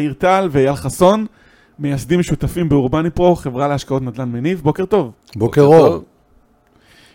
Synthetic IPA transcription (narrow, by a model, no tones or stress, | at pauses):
iʁt̪alveajalχaso̞n | mejasd̪imʃut̪afimbeuʁbanipʁo̞χe̞vʁaleaʃkao̞t̪nad̪lanmenivbo̞keʁt̪o̞v | bokeʁov